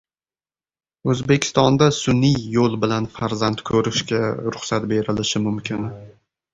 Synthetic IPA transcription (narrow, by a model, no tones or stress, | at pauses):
ɵzbe̞kʲʰɪ̥st̪ɒnd̪asʊnːɪjːolˠbɪlanfaɾzant̪kʰɵɾɪʃkʲaɾʊχsat̪be̞ɾɪlɪʃɪmʊmkʲʰɪn